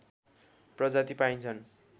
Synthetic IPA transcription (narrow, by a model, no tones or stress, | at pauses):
prʌd͡zat̪ipaint͡sʰʌn